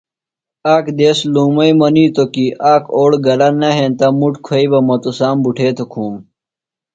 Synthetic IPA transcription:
aːkd̪eːsluːmɐimɐniːt̪okiʔaːkʰoːɽɡɐlɐnɐɦẽːnt̪ɐmuʈkʰɐibɐmɐt̪usaːmbuʈʰeːt̪ʰokʰuːm

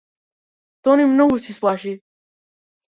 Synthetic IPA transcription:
t̪onimnəɡusiswɑːʃi

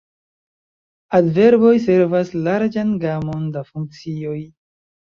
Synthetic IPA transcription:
adve̞ɾbo̞js̬e̞ɾvaslaɾd͡ʒanɡamo̞ndafuŋk̚t͡sio̞j

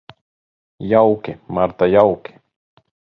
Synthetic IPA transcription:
jawkɪmaɾt̪ajawkɪ̥

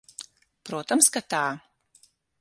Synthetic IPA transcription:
pɾuɔt̪ɐmskat̪aː

